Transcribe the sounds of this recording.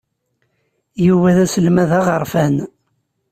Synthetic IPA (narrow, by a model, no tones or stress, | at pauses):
juwæðæsəlmæðæʁəɾˤfæn